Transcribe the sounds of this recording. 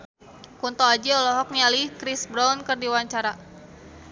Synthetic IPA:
kunt̪ɔad͡ʒɛɔlɔɦɔk̚nialihkɾisbɾaunkɨrdiwaɲt͡ʃaɾa

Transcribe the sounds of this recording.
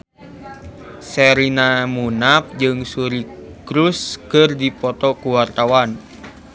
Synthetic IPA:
sɛɾinamunap̚d͡ʒɨŋsuɾikɾuskɨrdipɔt̪ɔkuwart̪awan

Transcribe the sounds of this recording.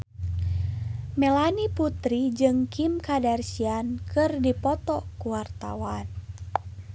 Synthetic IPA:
mɛlaniput̪ɾid͡ʒɨŋkʰimkadɛrsiankɨrdipɔt̪ɔkuwart̪a̰wan

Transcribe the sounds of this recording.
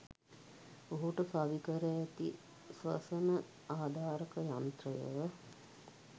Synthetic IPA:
oɦuʈəfaʋikəɾəjæt̪i | sʋɐ̰sənə | aːd̪ʱaːɾəkəjant̪rəjə̰ʋə

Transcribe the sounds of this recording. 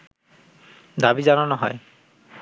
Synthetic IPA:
d̪abid͡ʒanɔnɔɦɔ̰j

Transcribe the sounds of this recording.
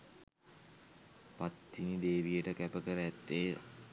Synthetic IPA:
pat̪ːinid̪eːʋijəʈəkæpəkəɾəæt̪ːeː

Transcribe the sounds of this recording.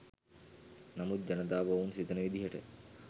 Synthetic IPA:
nɐmut̪̚d͡ʒɐnɐd̪aːbownsit̪ɐnɐʋid̪ʱiɦɐʈḛ

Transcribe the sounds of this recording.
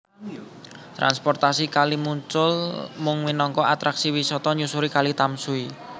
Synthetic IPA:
t̪ɾa̰nspɔrt̪asikalimuɲt͡ʃʊlmʊŋwinɔŋkɔʔat̪ɾaksiwisɔt̪ɔɲusuɾikalit̪amsui

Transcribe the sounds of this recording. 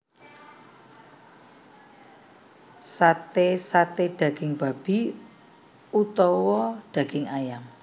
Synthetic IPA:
sat̪esat̪eɖ̥ä̤ɡ̥ɪŋb̥a̤b̥i̤ | ut̪ɔwɔɖ̥ä̤ɡ̥ɪŋajaŋ

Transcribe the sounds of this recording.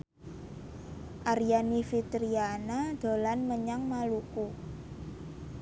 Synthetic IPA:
ʔaɾijanifit̪ɾianad̪̥o̤lanməɲaŋmaluku

